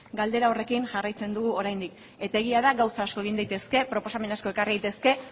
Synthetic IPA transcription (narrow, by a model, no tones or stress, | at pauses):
ɡald̪e̞ɾaore̞kinʝarajt͡se̞nd̪uɣuo̞ɾajnd̪ik | e̞t̪ae̞ɣ̞iaðaɡawsaːsko̞e̞ɣ̞ind̪ajt̪e̞ske̞pɾo̞po̞same̞nasko̞e̞kariðejt̪e̞ske̞